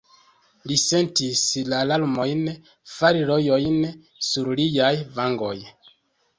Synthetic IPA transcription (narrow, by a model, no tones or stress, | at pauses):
lise̞ntislalaɾmo̞jn | faɾiɾojo̞jn | suɾlijajvaŋɡo̞̰j